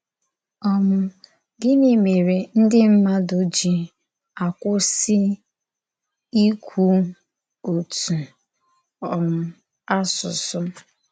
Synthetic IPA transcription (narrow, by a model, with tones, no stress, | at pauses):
ɔ˦mʊ˨ | ɡɪ˦ne˦me˨ɾe˨n̩˦dɪ˦m̩˦ma˦do˨d͡ʒi˦ | a˨kʷʊ˦sɪ˦ | i˦kʷʰu˦ | o˨tu˨ | ɔ˨m̩˦ | a˦sʊ˨sʊ˦